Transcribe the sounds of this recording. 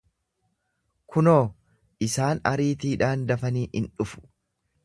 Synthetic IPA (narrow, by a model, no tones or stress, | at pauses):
kʰʊnoː | ʔɪsaːnɐ̰ɾiːt̪iːᶑaːnd̪ɐfɐniːʔɪnᶑʊfʊ̥